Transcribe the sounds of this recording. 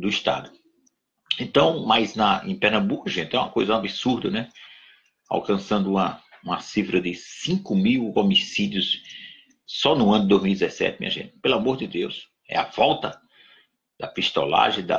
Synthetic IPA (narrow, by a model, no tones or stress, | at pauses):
d̪ʊist̪a̰d̪ʊ | ẽnt̪ɐ̃w̃majznɐẽpɛɾnɐ̃mbukʊʒẽt̪ɪɛũɐkojzɐabisuɾd̪ɐnɛ | a̰wkɐ̃sɐ̃nd̪ʊũmɐũmɐsifɾɐd̪ɪsĩkʊmiwomisid̪jʊsː | ɔnʊɐ̃nʊd̪ɪd̪ojzmiwjd̪ʲizɛsɛ̰t̪ɪmḭ̃ɐʒḛ̃nt̪ɪ̥pelʊamoɾd̪ɪd̪ews | ɛ̰ɐvɔwt̪ɐ | d̪̥ɐpist̪o̰la̰ʒẽj̃d̪ɐ̰